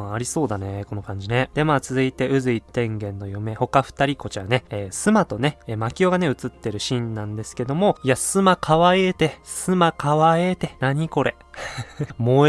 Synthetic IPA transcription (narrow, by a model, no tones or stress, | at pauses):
aɾʲiso̞ːd̪aneko̞no̞kãɲ̟d͡ʑine̞d̪̥e̞maːt͡sɨzɨit̪e̞ɯ̟zɨit̪ːẽ̞ŋɡẽ̞nːo̞jome̞ho̞kaɸɯ̟̥t̪aɾʲiko̞t͡ɕaane̞ːsɨmat̪o̞ne̞makʲio̞ɡane̞ɯ̟t͡sɨt̪ːe̞ɾɯ̟ɕĩnːãnd̪e̞sɨ̥ke̞d̪o̞mo̞iasɨmakʰaβaiet̪e̞sɨmakʰaβaet̪e̞naɲ̟iko̞ɾe̞ | mo